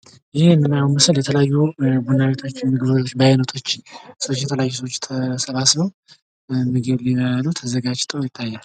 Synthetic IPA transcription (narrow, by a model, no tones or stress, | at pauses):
jɪhemːɨnajawmɨsɨljɛt̪ʰələjajːubunaβet̪ʰo̞t͡ʃːmɨɡɨβod͡ʒʰot͡ʃːbajnət̪ʰo̞t͡ʃːsəwot͡ʃːjɛt̪ʰələjajːus̬əwot͡ʃːt̪ʰəsəβasbəw | mɨɡəliməalut̪ʰəzəɡad͡ʒt̪ʰʼəwjɪt̪ʼːajːal